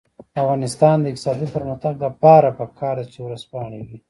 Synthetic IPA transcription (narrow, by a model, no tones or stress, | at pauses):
afɣɑnɪst̪ɑnd̪əɪk̚t̪ɪ̥sɑd̪ipəɾməxt̪aɡ̚ləpɑɾapəkʰɑːɾd̪at͡ʃewɾaspɑɳ̃eɡi